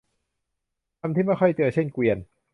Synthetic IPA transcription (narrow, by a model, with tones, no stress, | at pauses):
t̪ʰa˧mt̪ʰiː˥˩ma˥˩jxʰɔ˥˩jt̪ɯ˧ət͡ɕʰe˥˩nkwi˧ən